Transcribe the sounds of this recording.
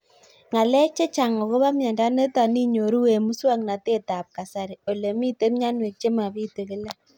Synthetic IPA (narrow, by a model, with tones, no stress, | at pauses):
ŋa˨lɛ˦t͡ʃe˦t͡ʃa˨ŋo˨ɣo˦βa˦mja˨nda˦ne˦ta˨ni˦ɲo˨ɾu˦we˨mu˦swa˦ŋna˨te˦˨ta˨p̚ka˨sa˦ɾe˨o˨le˨mi˦te˦mɲa˦nwe˨t͡ʃe˦ma˨βi˦te˨ɣe˦la˦